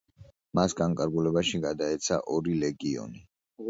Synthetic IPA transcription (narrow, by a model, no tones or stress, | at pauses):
masɡaŋkʼaɾɡulɛbaʃiɡad̪aɛt̪sʰa̰ʔɔɾilɛɡiɔ̰ni